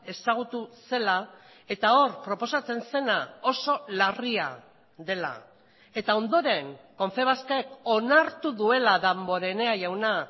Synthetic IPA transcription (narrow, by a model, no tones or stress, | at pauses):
e̞saɣ̞ut̪use̞la | e̞t̪ao̞rpɾo̞po̞sat͡se̞nse̞nao̞so̞laria | ðe̞la̰ | e̞t̪ao̞nd̪o̞ɾe̞ŋko̞ɱfe̞β̞askaeko̞naɾt̪uðue̞laðambo̞ɾe̞ne̞aʝawna